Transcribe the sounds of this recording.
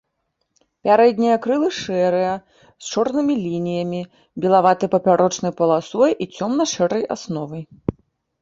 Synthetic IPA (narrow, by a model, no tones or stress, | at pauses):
pʲaɾɛd̪ʲnʲijɐkɾɨlˠɨʂɛɾɨjɐ | st͡ʂɔrnɨmʲilʲinʲijɐmʲi | bʲɛlˠavat̪ɨjpɐpʲaɾʔɔt͡ʂnɐjpɐlˠasɔjʔit͡sʲɔmnɐʂɛɾɐja̰snɔvɐj